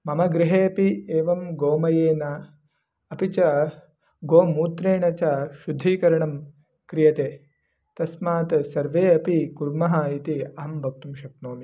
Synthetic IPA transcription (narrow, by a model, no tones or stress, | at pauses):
mɐmɐɡɾiɦeːɐpieːʋɐmɡoːmɐjeːnɐ | ɐpit͡ʃɐ | ɡoːmuːt̪ɾeːɳɐt͡ʃaʃud̪ʱːiːkɐɾɐɳɐm | kɾijɐt̪eː | t̪ɐsmaːt̪sɐɾʋeːɐpikuɾmɐɦɐit̪iɐɦɐmbʱɐk̚t̪umʃɐp̚noːmi